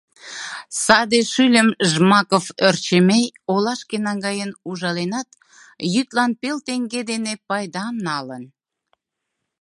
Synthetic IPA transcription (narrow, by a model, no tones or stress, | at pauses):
sɑd̪eʃylʲəmʒmɑkoført͡ɕəmejolɑʃkenɑŋɡɑjənuʒɑlenɑt̪ | jyt̪lɑnpelt̪eŋɡed̪enepɑjd̪ɑmnɑlən